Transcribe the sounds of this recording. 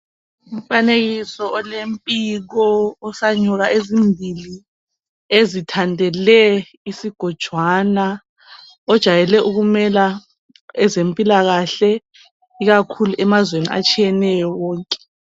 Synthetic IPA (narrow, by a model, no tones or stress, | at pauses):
um̩faneɣisɔɔlempʼiɣɔɔsaɲɔɣaʔezimbʱili | ezitʰandʱɛlɛ | isiɡ̥ʱɔd̥ʒ̥ʱwaːna | ɔd̥ʒ̥ʱajɛlɛʔuɣumɛla | ɛzempʼilaɣaɬɛ | iɣakʰuluʔɛmazwenḭa̰t͡ʃʼʰijɛnɛjɔwɔːŋkʼɛ̥